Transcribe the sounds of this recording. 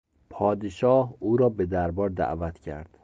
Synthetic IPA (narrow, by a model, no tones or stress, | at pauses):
pʰɒːd̪eʃɒːhuːɾɒːbe̞d̪æɾbɒːɾd̪æ̰ʔvæt̪ʰcʰæ̰ɾd̪̥